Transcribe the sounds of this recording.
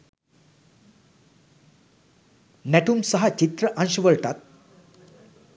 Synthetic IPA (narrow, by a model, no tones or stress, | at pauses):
nɛʈumsɐɦɐt͡ʃit̪ɾɐʔɐ̃nʃɐʋəɭʈat̪̚